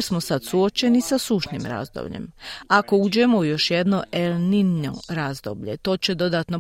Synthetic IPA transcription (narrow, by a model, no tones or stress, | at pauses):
smo̞sad̪suo̞t͡ʃe̞nisasuːʃnḭmɾa̰zd̪o̰bʎḛmako̞ud͡ʑe̞moujo̞ʃjed̪no̞ʔelnino̰ɾaːzd̪o̞̰ːbʎe̞̰t̪o̞ːt͡ɕe̞d̪o̞d̪aːt̪no̞